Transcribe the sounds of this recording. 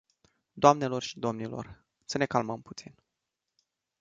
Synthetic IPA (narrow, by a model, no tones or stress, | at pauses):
d̪oamne̞lo̞rʃi̥d̪o̞mnilo̞̰r | səne̞kalməmput̪sin